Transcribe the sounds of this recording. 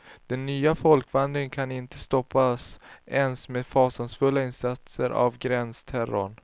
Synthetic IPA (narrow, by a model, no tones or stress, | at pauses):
d̪̥ɛnːyːafɔlkvand̪ɾɪəŋkʰanɪnt̪əst̪ɔpːasɛnsmeːd̪fɑːsansfɵlːaɪnsat̪səɾʔa̰vɡɾɛnst̪ʰæɾʊ̰ɳ